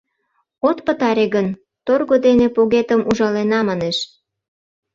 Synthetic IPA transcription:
ot̪pət̪ɑɾeɣən | t̪orɣod̪enepoɣet̪əmʔuʒɑlenɑmɑneʃ

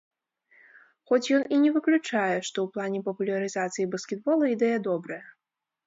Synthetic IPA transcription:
xɔt͡sʲjɔninʲɛvɨklʲut͡ʂajɛʂt̪ɔwplˠanʲɛpɐpulʲɐɾɨzat̪sɨjibɐskʲɛd̪̚bɔlˠɐid̪ɛjɐd̪ɔbɾɐjɐ

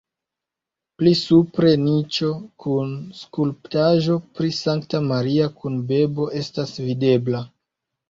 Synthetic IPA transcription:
plisupɾe̞nit͡ʃo̞kʰunskulptaʒo̞pɾisaŋktamaɾiakunbe̞bo̞ʔe̞stasvide̞bla

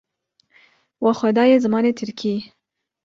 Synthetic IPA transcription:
waxad̪ɑjezamɑnet̪ʰɪɾkʰi

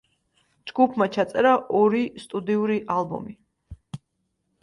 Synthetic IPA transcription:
d͡ʒɡupʰmat͡ʃʰat̪sʼɛɾaʔɔɾist̪ʼud̪iuɾiʔalˠbɔ̰mi

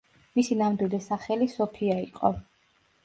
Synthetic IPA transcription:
misinamd̪wild̪ɛsaχɛlisɔpʰiaiqʼɔ̰

